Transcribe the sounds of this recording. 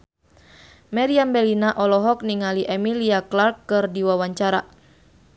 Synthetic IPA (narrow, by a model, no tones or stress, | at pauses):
mɛɾiambɛlinaʔɔlɔɦɔk̚niŋaliʔɛmiliaklarkːɨrdiwawaɲt͡ʃaɾa